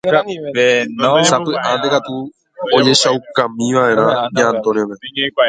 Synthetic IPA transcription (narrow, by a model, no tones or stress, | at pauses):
sapɨʔãd̪ekat̪u | od͡ʒe̞ʃawkãmĩʋaʔeɾ̃ãɲãnt̪onẽme